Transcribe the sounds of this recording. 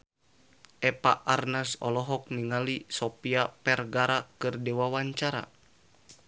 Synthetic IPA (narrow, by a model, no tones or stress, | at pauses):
ʔɛpaʔarnasɔ̰lɔɦɔk̚niŋalisɔpiapɛrɡaɾakɨrdɛwawaɲt͡ʃaɾa̰